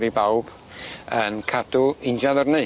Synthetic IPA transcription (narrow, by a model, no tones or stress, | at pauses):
ɾibawb̥ | ənkʰadʊɪnd͡ʒaðərneɨ